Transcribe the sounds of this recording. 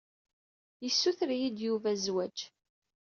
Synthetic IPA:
jəsːuθɾjid̪juvæzwæd͡ʒ

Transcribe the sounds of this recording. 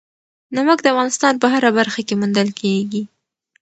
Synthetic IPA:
naməkd̪əafɣɑnɪst̪ɑnp̬əɦaɾabaɾxakemund̪əlkʰeɡi

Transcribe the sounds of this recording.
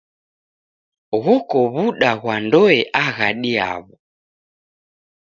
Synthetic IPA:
ɣɔkɔβuɗaɣwandɔɛʔaɣaɗia̰βɔ

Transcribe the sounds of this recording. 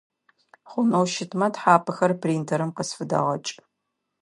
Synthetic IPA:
χʷʊnowʃɪtʰmɐtħaːpʰɨxɐrpʰriːntʰɐɾɨmqəsfɨdɐ̰ʁɐt͡ʃʼ

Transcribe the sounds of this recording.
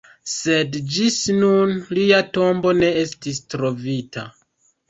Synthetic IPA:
se̞dd͡ʒisnunliato̞mbo̞ne̞e̞stistɾo̞vita̰

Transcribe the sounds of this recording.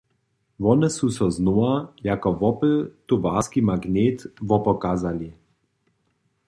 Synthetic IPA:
vɔnəsusɔznoajakɔvɔpət̪uvaskimaɡneːt̪vɔpɔkaːzali

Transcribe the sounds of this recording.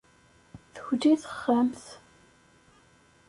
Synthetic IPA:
θə̥çd̪iθəχːamθ

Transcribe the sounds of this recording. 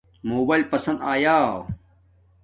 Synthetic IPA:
moːbaːilpɐsɐ̃nd̪aːjaː

